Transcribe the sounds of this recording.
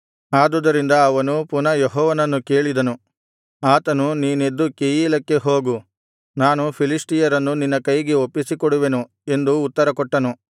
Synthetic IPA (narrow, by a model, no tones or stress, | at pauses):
aːd̪ud̪ɐɾind̪ɐːʋɐnupunɐjeɦɔːʋɐnɐnːuke̞ːɭid̪ɐnu | aːt̪ɐnuniːne̞d̪ːukejiːlɐkːe̞ɦo̞ːɡu | naːnupʰilisʈijɐɾɐnːuninːɐkɐjɡeopːisikɔɽuʋe̞nu | e̞nd̪uːt̪ːɐɾɐkɔʈːɐnu